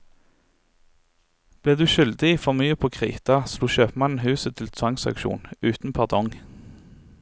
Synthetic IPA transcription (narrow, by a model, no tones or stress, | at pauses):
b̥leːʁd̪ʉːʃʏld̪ɪifɔmyːəpʰoːkʰʁḭːt̪ɑsluːʃøːpmɑnn̩hʉːsət̪ʰɪlt̪ʰʋɑŋsɑ̰kʃṵːnʉːt̪n̩pʰɑʁd̪ʰɔŋ